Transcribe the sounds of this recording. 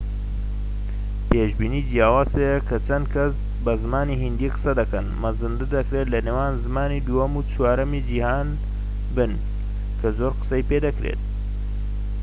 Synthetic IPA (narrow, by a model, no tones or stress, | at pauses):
peːʒbiːniːd̪ijaːwaːsejɐkʰɐt͡ʃɐnd̪̚kʰɐs | bɐzɨmaːniːɦind̪iqɨ̥sɐd̪ɐkɐnmɐzɨnd̪ɨd̪ɐkɾet̪lɐneːwaːnzɨmaːniːd̪ujɐmut͡ʃwaːɾɐmid͡ʒihaːn | bɨn | kʰɐzoːɾqɨ̥sɐjped̪ɐkɾḛːt̪̚